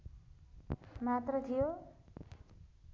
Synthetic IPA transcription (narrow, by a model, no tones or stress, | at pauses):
mat̪ɾʌt̪ʰijo